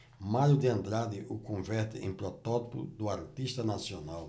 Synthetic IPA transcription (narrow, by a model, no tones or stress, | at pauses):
maɾjʊd̪ɪɐ̃nd̪ɾad̪ɪʔʊkõvɛɾt̪ɪḛ̃pɾɔt̪ɔt̪i̥pʊ̰d̪ʊaɾt̪iʃt̪ɐnasionaw